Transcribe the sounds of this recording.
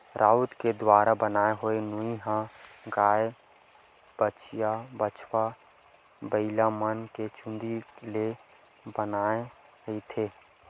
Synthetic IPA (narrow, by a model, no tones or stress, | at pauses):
ɾʔaːut̪ked̪waːɾabənaːeɦʊenʊiɦãɡaːe | b̥ət͡ʃjabət͡ʃʰwa | bəɪlamənket͡ʃʊ̃nd̪ile | bənaːe | it̪ʰeː